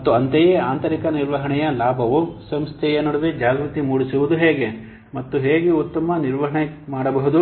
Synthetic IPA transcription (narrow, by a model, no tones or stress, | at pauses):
mɐt̪ːuɐnt̪ejeaːnt̪ɐɾikɐniɾʋɐɦɐɳɛjɐlaːbʱɐʋusɐmst̪ʰɛjɐnuɽɐd̪ed͡ʒaːɡɾut̪imuːɽisuʋud̪uɦeːɡe | mɐt̪ːuɦeːɡeut̪ːɐmɐniɾʋɐɦɐɳemaːɽɐbɐɦud̪u